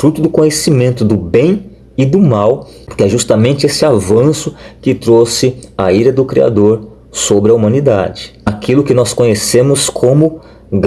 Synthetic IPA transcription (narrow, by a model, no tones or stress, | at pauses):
fɾut̪ʊd̪ʊkõɲesimẽnt̪ʊd̪ʊbẽj̃ | ɪd̪ʊmaw | kɪɛʒust̪ɐmẽnt͡ʃɪesɪavɐ̃sʊkɪt̪ɾosɪaiɾɐd̪ʊkɾia̰d̪oɾ | sobɾɪɐumɐ̃nid̪a̰d͡ʒɪakʰilʊkɪnɔskõɲesẽmʊskʰõmʊ | ɡ